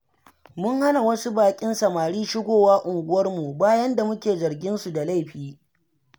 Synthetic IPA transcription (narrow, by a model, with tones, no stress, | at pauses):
mʊ˦ŋha˦na˨wɐ˦su˦baː˨kʲʼɪ˦nsɐ˨maː˨ɽiː˦ʃɪ˦ɡʷoː˨waː˦ʔʊ˨ŋɡʷʊ˦wɐ˦rmu˨baː˦jɐ˦nda˨mʊ˦kʲeː˨zɐ˨rɡʲɪ˦nsu˨da˨la˦jɸiː˦